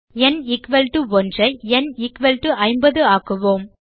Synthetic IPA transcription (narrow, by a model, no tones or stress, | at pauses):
ɛnɪkʋɐlʈɯʋɔndrɐɪɛnɪkʋɐlʈɯʔɐɪmbɐðɯaːkɯʋoːm